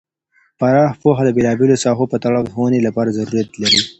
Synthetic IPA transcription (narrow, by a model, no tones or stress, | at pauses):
faɾɑːhpoɦad̪əbelɑbelosɑɦopət̪aɭɑwəxonelapɑɾazaɾuɾijat̪laɾi